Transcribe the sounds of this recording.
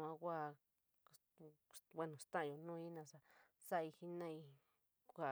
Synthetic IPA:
ã˧kʷa˦˨ | wʷa˦nũ˨st̪ã˦ʔjo˧nũː˦i˦nã˧ʂa˧ | sa˦˧i˧hi˧nã˦i˧ | kʷa˦˨

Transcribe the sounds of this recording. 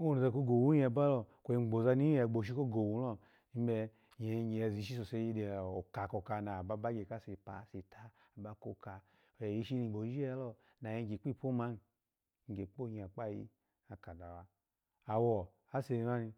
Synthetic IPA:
o˦˨n˨za˧˨k̬o˦ɡo˨wu˦a˨ba˦lɔ˧ko˨i˧˨ɡ͡bo˨za˧ni˦ɛ˨ɡ͡bo˨ʃ̬i˦ko˦ɡo˨wu˨˦lɔ˦ | i˦m˦bɛ˧ | ɲe˨˧˦ɲe˨zi˨˦ʃ̬i˦s̬o˨se˧˦ji˦de˨o˨ka˨ko˨ka˧na˨ba˧˦ba˦ɡe˨ka˦˨se˨pa˨se˨tʰa˦ | a˨ba˨˦ko˦ka˨ | o˨je˨ji˦ʃi˦ni˧˨ɡ͡bo˨˦i˦lɔ˧ | na˨je˧ŋ˦ɡe˨˦k͡pi˦˨pʰo˦ma˦n˨ | ŋ̩˨ɡe˨k͡po˦ɲ˨a˨k͡pa˦˨jḭ˧˦ | a˨ka˨da˨wa˦ | a˨wɔ˨ | a˨˦se˧˨˧na˦ni˧

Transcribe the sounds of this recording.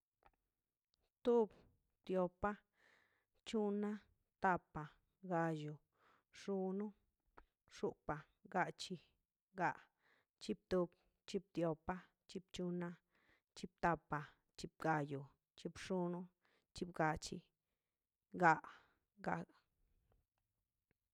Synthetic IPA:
t̪u˦b | t̪jo˧pa˦ | t͡ʃu˦na˦ | t̪a˧pa˨ | ɡa˧ju˨ | ʂu˧nu˦ | ʂu˧pa˨ | ɡa˧t͡ʃi˧ | ɡa˧˨ʔ | t͡ʃi˧b̚t̪u˧b̚ | t͡ʃi˧b̚t̪jo˧pa˦ | t͡ʃi˧b̚t͡ʃu˧na˦ | t͡ʃi˧b̚t̪a˧pːa˨ | t͡ʃi˧b̚ɡa˧ju˨ | t͡ʃi˧bʂu˧˦nu˦ | t͡ʃi˧bɡa˧t͡ʃi˧ | ɡa˧ʔ | ɡa˧

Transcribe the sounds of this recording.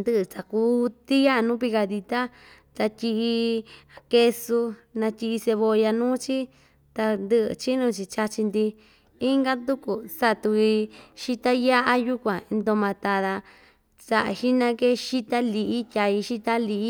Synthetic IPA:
nd̪ɨ˦ʔɨ˧t͡sa˨kuː˧˦t̪i˦ja˦˧nũ˦p̬i˧ka˧ði˧t̪a˦ | t̪a˧t̪ʲi˧ʔi˧a˧ke˧su˧ | nã˧t̪ʲi˧ʔi˧se˧βo˧ja˧nũː˦t͡ʃi˦ | t̪a˧nd̪ɨ˦ʔɨ̰˧t͡ʃi˦nũ˧t͡ʃi˧t͡ʃa˧t͡ʃi˧nd̪i˧ | i˦ŋɡa˦nd̪u˦ku˨sa˧t̪u˧i˧ʃi˦t̪a˦ja˦ʔa˧˦ju˦kʷã˨˧nd̪o˧mã˧t̪a˧ða˧ | sa˧ʔa̰˧ʃi˦nã˧ke˦ʃi˦t̪a˦li˧ʔi˦t̪ʲa˧i˧ʃi˦t̪a˦li˧ʔi˦

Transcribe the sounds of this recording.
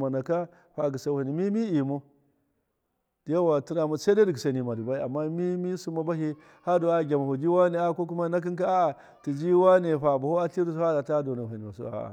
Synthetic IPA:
ma˨na˨ka˦ | ɸa˨ɡi˨sa˦˨ha˨ni˨mi˦mi˦i˨mo˦ | d̥i˨ja˦wa˨ti˦na˨ma˨sa˦da˦di˨ɡi˨sa˨ni˨ma˨di˨ba˦i˦a˨mːa˦mi˦mi˦su˦ma˦ba˦ɦi˦ | ha˦do˨a˦˨ɡʲa˨ma˨ho˨d͡ʒi˦wa˦ne˨a˦˨ko˦k̬u˦ma˦na˦k̬i˦ŋka˦a˦a˨ | ti˨d͡ʒi˦wa˦ne˨ɸa˨ba˨ho˦a˦ɬi˦ɾi˦sha˦da˨ta˦do˨na˨a˨ni˨ma˨sṵ˦a̰˨

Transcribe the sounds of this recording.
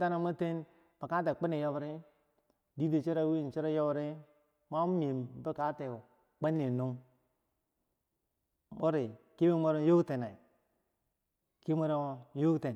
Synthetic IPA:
ta˦na˦ma˦te˦n | b̥a˨ka˦t̬e˨k͡pi˦ni˨jo˦bɾi˦ | di˦di˨t͡ʃi˦ɾa˦wi˦˨n˨t͡ʃi˦ɾa˦jo˦bɾi˦ | ma˦m˨e˨mbe˦ka˦te˨ | k͡pe˦nːe˨nu˦ŋ˨ | bo˦ɾi˨ki˦be˦mo˦ɾo˦jo˦te˨na˨i˨ | ki˦mo˦ɾo˦jo˦te˨n

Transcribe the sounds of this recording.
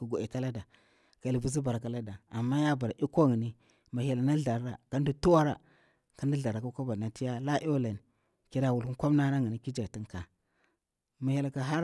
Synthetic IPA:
ku˨ɡu˨i˨ta˦la˦da˨ | ka˨li˨bu˨zi˦ba˨ɾka˨la˦da˨a˨mːa˦ja˦ba˨ɾa˨ʔi˦ko˦ŋi˨ni˦ | ma˨hi˨la˨na˦ɮa˨ɾa˨ka˦n˦du˦tu˦wa˦ɾa̰˨ | ka˦ndi˦ɮa˨ɾa˨ka˦ka˦ba˨na˨˦ti˦ja˦la˦ʔla˨n˨ | ki˨ɾa˨wu˨lku˦kʷa˦mna˦na˦ŋi˨ni˦ki˦d͡ʒa˨ti˦ŋka˨ | ma˨ji˨la˨ka˨ɦa˦ɾ

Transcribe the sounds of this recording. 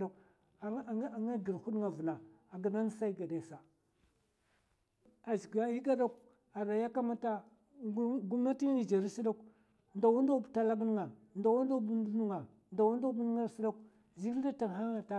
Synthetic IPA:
a˨k | ŋa˦ɡi˨ɾhu˦ɗŋa˨vu˨na˨a˨ɡa˨na˦n˦sa˦i˦ɡa˨de˨sa˨ | a˨zɡa˨˦ji˦ɡa˦da˦k | a˨ɾa˨ja˦ka˦ma˦ta˦ | ɡu˦mna˦ti˦ŋ˦ni˨d͡ʒa˨ɾi˦si˦da˦k | nda˨wu˦n˦da˦bta˦la˦ɡn˦ŋa˨ | nda˨wu˦n˦a˦bu˦ndu˦nu˦ŋa˨ | nda˨wu˦n˦da˦bn˦ŋa˦ɾsi˦da˦k̚ | zi˦da˦ta˨ŋ˨ɦa˦ŋa˨ta˦

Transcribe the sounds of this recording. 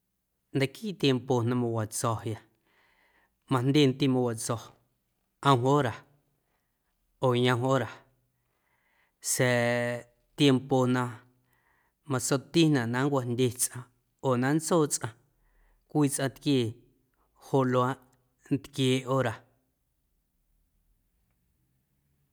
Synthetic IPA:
nd̪e˨kiː˦ʔt̪je˧mpo˨nã˧mã˧wa˨t͡sɔ˨ja˧ | mã˧˨nd̪ʲe˦˧˨n˦t̪i˧mã˧wa˨t͡sɔ˨ | ə̃˧w̃ɦʔoː˦ɾa˨ | oː˨ɲã˧ɦo˦ɾa˨ | se˨ | t̪je˧mpo˨nã˧ | mã˧so˧t̪i˦nã˨ʔnã˨˦ŋ˦kʷa˧ndʲe˧˨t͡sʔã˧ | oː˨nã˦n˦t͡soː˦˨t͡sʼʔã˧ | kʷiː˦˨t͡sʔã˧t̪kjeː˧˨ | ho˧ʔlo˧a˦ʔ | n˦t̪kjeː˧˨ʔoː˦ɾa˨

